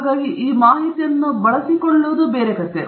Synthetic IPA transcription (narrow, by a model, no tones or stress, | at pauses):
ɡaːɡiʔiːmaːɦit̪ijɐnːubɐɭɐsikɔɭːuʋd̪ubeːɾekɐt̪ːe